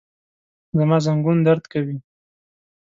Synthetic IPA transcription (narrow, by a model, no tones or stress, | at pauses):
zamɑzaŋɡund̪aɾd̪kawi